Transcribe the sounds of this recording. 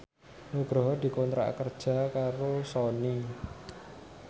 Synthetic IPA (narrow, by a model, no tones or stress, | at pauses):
nuɡ̥ɾɔɦd̪̥i̤kɔnt̪ɾa̰ʔkərd̥ʒ̥a̤kaɾosɔni